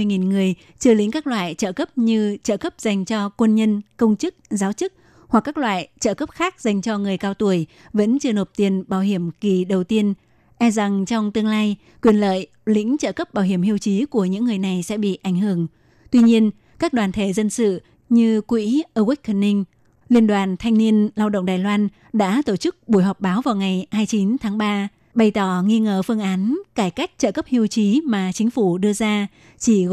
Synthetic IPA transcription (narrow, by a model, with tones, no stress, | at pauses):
jŋi˨˩nŋɨ˨˩əj | t͡ɕɨ˧lï˨˦ŋkaː˦˥k̚lwa̰ː˧˨jt͡ɕəː˧˩kə˦˥p̚ɲɨ˧t͡ɕəː˧˩kə˦˥p̚z̥a˨˩jŋ̟t͡ɕɔ˧kwə˧nɲə˧nkə˧wŋ͡mt͡ɕɨ˦˥k̚zaː˨˦wt͡ɕɨ˦˥k̚ | hwa˨˩kːaː˦˥k̚lwa̰ː˧˨jt͡ɕə̰ː˧˩kə˦˥p̚xaː˦˥k̚z̥a˨˩jŋ̟t͡ɕɔ˧ŋɨ˨˩əjkaː˧wt̪u˧˩əj | və̰˧˥nt͡ɕɨ˧no˨˩p̚t̪i˧˨˩ənɓaː˧˩wɦi˧˩əmki˨˩ɗə˨˩wt̪i˧ən | ʔɛ˧za˨˩ŋt͡ɕɔ˧wŋ͡mt̪ɨ˧əŋlaː˧j | kwi˨˩ənlə̰ː˧˨j | lï˧˥ŋ̟t͡ɕəː˧˩kə˦˥p̚ɓaː˧˩wɦi˧˩əmhi˧əwt͡ɕi˨˦ku˧˩əɲɨ̰˧˥ŋːɨ˨˩əjna˨˩jsɛ̰˧˥ɓḭ˧˨ʔa˧˩jŋ̟ɦɨ˧˩əŋ | t̪wi˧ɲi˧ən | kaː˦˥k̚ɗwaː˨˩nt̪ʰe˧˩zə˧nsɨ̰˧˨ | ɲɨ˧kwḭ˧˥ʔəː˧kwi˦˥k̚kʰə˨˧˩nːi˧ŋ̟ | li˧ənɗwaː˨˩nt̪ʰa˧jŋ̟ni˧ənlaː˧wɗə̰˧˨wŋ͡mɗaː˨˩jlwaː˧n | ɗa̰ː˧˥t̪o˧˩t͡ɕɨ˦˥k̚ɓu˧˩˨jɦɔ˨˩wk͡p̚ɓaː˨˦wvaː˨˩wŋa˨˩jhaː˧jt͡ɕi˨˦nt̪ʰaː˨˦ŋɓaː˧ | ɓə˨˩jt̪ɔ˧˩ŋi˧ŋəː˧˩fɨ˧əŋʔaː˨˦nkaː˧˩jka˦˥jk̟̚t͡ɕə̰ː˧˨˩kə˦˥p̚hi˧əwt͡ɕi˨˦maː˨˩t͡ɕï˨˦ŋ̟fu˧˩ɗɨ˧əzaː˧ | t͡ɕi˧˩